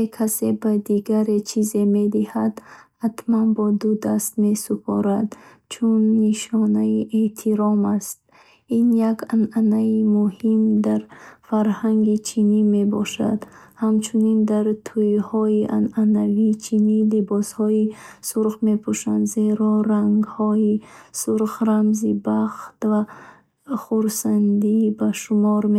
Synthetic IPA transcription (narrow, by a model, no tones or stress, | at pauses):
ekʰase̞bad̪iɡaɾet͡ʃʰize̞me̞d̪ihad̪hat̪manbɔd̪ud̪ast̪me̞supʰɔ̰ɾad̪ | t͡ʃʰunːiʃɔnaiʔet̪ʰiɾɔmast̪̚ | injaɡananaimuhimd̪aɾfaɾhaŋɡit͡ʃʰinime̞bɔʃa̰d̪hamt͡ʃʰunind̪aɾt̪ʰujhɔiʔananaviːt͡ʃʰinilibɔshɔisuɾχme̞pʰuʃand̪ze̞ɾɔɾaŋɡhɔisuɾχɾamzibaχt̪va | χuɾsand̪ibaʃumɔɾme